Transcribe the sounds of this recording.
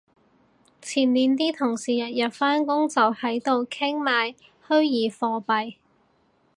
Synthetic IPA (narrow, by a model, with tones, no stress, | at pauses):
t͡sʰiː˨˩nliː˨nt̪̬iː˥t̪ʰʊ˨˩ŋsiː˨˩jɐ˨t̚jɐ˨t̚faː˥nkʊ˥ŋt͡sɐ˨whɐ˨˥jt̪o˨wkʰɪ˥ŋmaː˨˧j | hɵ˥ɥjiː˨˥fɔː˧pɐ˨j